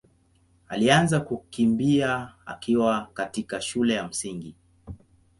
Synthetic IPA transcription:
alianzakukimbiaa̰kiwakatikaʃulɛjam̩siŋɡi

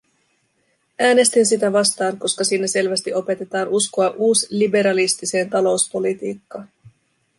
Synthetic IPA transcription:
æːne̞st̪insit̪æʋɑst̪ɑːŋko̞skɑsiːnːæse̞lʋæst̪iʔo̞pe̞t̪e̞t̪ɑːnuskoɑʔuːslibe̞ɾɑlist̪ise̞ːnt̪ɑlo̞uspo̞lit̪iːkːɑ

